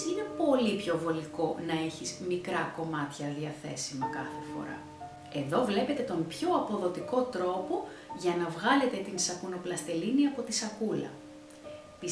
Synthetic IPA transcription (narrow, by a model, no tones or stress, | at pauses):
ine̞po̞lipço̞vo̞liko̞nɐe̞çizmikɾɐko̞mɐt̪çɐðiɐθe̞simɐkɐ̰θe̞fo̞̰ɾɐ̰ | e̞ðo̞vle̞pe̞t̪e̞t̪o̞mpço̞ɐpo̞ðo̞t̪iko̞t̪ɾo̞po̞ | ʝɐnɐvɣɐle̞t̪e̞t̪insɐkuno̞plɐst̪e̞liniɐpo̞t̪isɐkulɐ̰ | pi